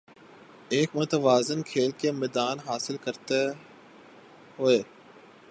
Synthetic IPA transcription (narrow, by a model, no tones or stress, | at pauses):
eːkmʊt̪əʋaːzənkʰeːlkemeːd̪aːnɦaːsɪlkəɾt̪e | ɦʊeː